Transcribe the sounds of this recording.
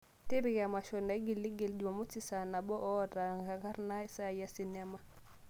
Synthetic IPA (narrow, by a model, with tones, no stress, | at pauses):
ti˦ɾi˨ɡa˨ma˨ʃo˨na˦ɡi˨lːi˦ɡi˨ld͡ʒu˨ma˨mu˦t͡ʃi˦sa˨na˨bɔ˦ʔo˦ta˨ŋɡa˨ka˦ɾna˦i˦sa˦ja˦si˨na˦ma˨